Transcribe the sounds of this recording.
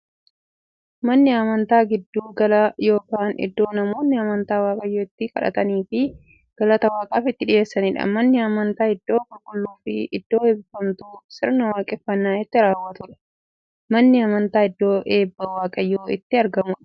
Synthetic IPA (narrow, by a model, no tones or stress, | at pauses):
mɐnːɪɐmɐnt̪aːɡɪd̪ːuːɡɐlɐjo̞ːkaːnɪ̰d̪ːo̞ːnɐmo̞ːnːɪɐmɐnt̪aːwaːkʼɐjoːɪt̪ːɪkɐ̰ᶑɐ̰t̪ɐniːfɪ | ɡ̥ɐlɐt̪ɐwaːkʼaːfɪt̪ːɪᶑɪje̞ːsːɐniːᶑɐ̰mɐnːɪɐmɐnt̪aːɪd̪ːo̞ːkʊlkʼʊlːuːfɪɪd̪̥ːo̞ːɛbɪfɐmt̪uːsɪɾnɐwaːkʼɛfːɐnːaːjɛt̪ːɪɾaːwːɐt̪ʊᶑɐ̥ | mɐnːɪɐmɐnt̪aːɪd̪ːo̞ːʔe̞ːbːɐwaːkʼɐjːoːɪ̰t̪ːɪɐɾɡɐmʊᶑɐ̥